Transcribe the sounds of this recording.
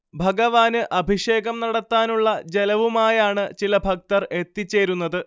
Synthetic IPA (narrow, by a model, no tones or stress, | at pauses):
bʱɐɡɐʋaːnɨʔɐbʱiʂe̞ːɣɐmnɐɽɐt̪ːaːnuɭːɐd͡ʑelɐʋumaːjaːɳɨt͡ɕilɐbʱɐk̚t̪ɐre̞t̪ːit͡ɕːe̞ːɾun̪ːɐðɨ